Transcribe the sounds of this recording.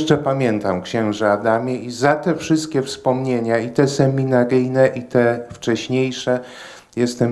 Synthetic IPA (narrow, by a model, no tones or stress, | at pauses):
t͡ʂɛpamʲjɛnt̪amkɕɛ̃w̃ʐɛad̪amʲjɛizat̪ɛfʂɘst̪̚kʲɛfspɔmɲeɲait̪ɛsɛmʲinaɾɘjnɛʔit̪ɛft͡ʂɛɕɲejʂɛ | jɛst̪ɛm